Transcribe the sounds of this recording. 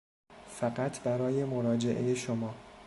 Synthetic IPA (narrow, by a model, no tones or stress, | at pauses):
fæɢæt̪ʰbæɾɒːje̞mo̞ɾɒːd͡ʒe̞ʔḛjeʃomɒː